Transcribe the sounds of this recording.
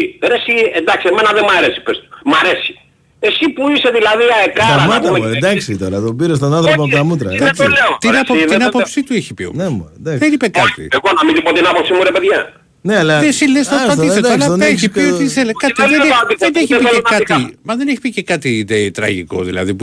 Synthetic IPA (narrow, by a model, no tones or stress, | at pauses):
ɾesiend̪ɐksiemenɐðemɐɾesi̥pest̪u̥mɐɾesi̥ | esipuiseðilɐðiɐekɐɐmɐt̪ɐmend̪ɐksit̪oɾɐt̪obiɾes̬t̪onɐnθɾop̬oɐpot̪ɐmut̪ɾɐɐot̪innɐpoinɐpopsit̪ueçi̥pḭo̰nemd̪ɐðenipekɐt̪ḭeɣonɐmĩðipot̪inɐposimuɾepeðʝɐ | neɐlɐesilest̪ot̪ɐiseolɐeçiiot̪iselekɐt̪iðet̪iðeneçipieɐt̪imɐðeneçi̥picekɐt̪iet̪ɾɐ̰ʝḭko̞̰ðḭlɐ̰ðipu